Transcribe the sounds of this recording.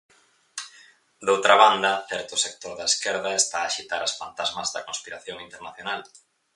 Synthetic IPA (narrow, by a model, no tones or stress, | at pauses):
d̪owt̪ɾɐβand̪ɐθɛɾt̪ʊsek̚t̪oɾðɐeskɛɾðɐest̪aːʃit̪aɾasfant̪azmɐzðɐkõnspiɾaθjoŋint̪eɾnaθjonal